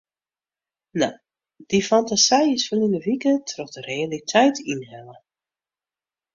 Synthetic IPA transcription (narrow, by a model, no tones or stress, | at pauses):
na | d̥ifantasɛjəsfənindəvikətrɔxdərealitʰɛjtinɦɛlə